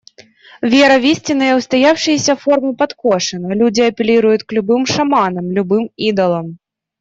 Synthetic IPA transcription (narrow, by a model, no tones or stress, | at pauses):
vʲɛɾɐvʲisʲt͡sʲinɐjɐwst̪ajawʂɨjɐsʲɐfɔrmɨpat̪kɔʂɨnɐlʲud͡zʲiɐpʲelʲiɾujut͡sʲklʲubɨmʂamanɐmlʲubɨmid̪ɐlˠɐm